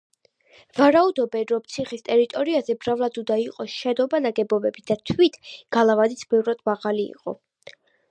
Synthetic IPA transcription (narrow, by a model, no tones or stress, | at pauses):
vaɾaud̪ɔbɛnɾɔmt̪sʰiχist̪ʼɛɾit̪ʼɔɾiazɛbɾavlˠad̪ud̪aiqʼɔʃɛd̪ɔbanaɡɛbɔbɛbid̪̥at̪ʰwit̪ʰɡ̥alˠavad̪it̪sʰbɛvɾad̪maʁaliḭqʼɔ̰